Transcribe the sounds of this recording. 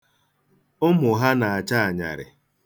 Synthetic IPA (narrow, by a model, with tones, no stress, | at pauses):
ʊ˦mʊ˨ɦa˦na˨a˨t͡ʃa˦a˨ɲa̰˨ɾɪ̰˨